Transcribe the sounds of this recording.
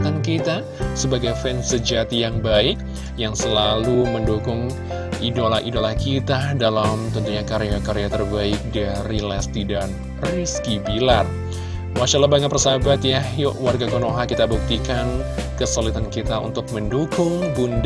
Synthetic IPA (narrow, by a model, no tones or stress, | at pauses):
t̪ankit̪a | səbaɡajfɛnsəd͡ʒat̪ijaŋbaɪk̚ | jaŋsəlaluməndukʊŋ | idolahʔidolahkit̪adalamt̪ənt̪uɲakaɾeakaɾeat̪ərbaɪk̚daɾilast̪idan | riskibilat̪̚ | waʃalabaŋat̪pərsabat̪jajoʔwarɡakonoɦakit̪abuk̚t̪ikankəsolit̪ankit̪aṵnt̪ʊk̚məndukʊŋbund